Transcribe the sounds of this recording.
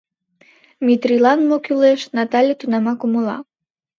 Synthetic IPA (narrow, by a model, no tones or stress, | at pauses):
mʲit̪ɾilˠɑnmokʲulˠeʃnat̪alʲət̪unamɑkumulˠɑ̰